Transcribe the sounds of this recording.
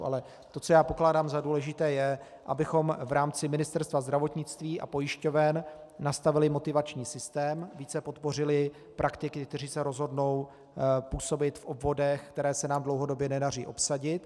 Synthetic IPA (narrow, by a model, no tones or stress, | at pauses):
ʔa̰lɛ | t̪o̞t͡so̞jaːpo̞klaːdaːmzaduːlɛʒɪt̪ɛːjɛ | ʔabɪxo̞mvɾaːmt͡sɪmɪnɪst̪ɛɾst̪vazd̪ɾavo̞t̪ɲɪt͡st̪viːʔa̰po̞jɪʃco̞vɛnː | ast̪avɪlɪmo̞t̪ɪvat͡ʃɲiːsɪst̪ɛːmviːt͡sɛpo̞t̪po̞r̝ɪlɪ | pɾʔakt̪ɪkɪk̚t̪ɛr̝iːsɛɾo̞zɦo̞dno̞w | puːso̞bɪt̪fʔo̞bvo̞dɛxkt̪ɛɾɛːsɛnaːmdlo̞wɦo̞do̞bjɛnɛdarḭːʔo̞psaɟɪt̪